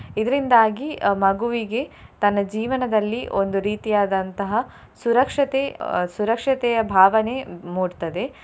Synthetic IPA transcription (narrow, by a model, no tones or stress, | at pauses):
id̪ɐɾind̪aːɡimɐɡuʋiɡe̞t̪ɐnːɐd͡ʒiːʋɐnɐd̪ɐlːiʔo̞nd̪uɾiːt̪ijaːd̪ɐnt̪ɐɦɐ | suɾɐkʂɐt̪esuɾɐkʂɐt̪ɛjɐbʱaːʋɐne̞muːɖt̪ɐd̪e̞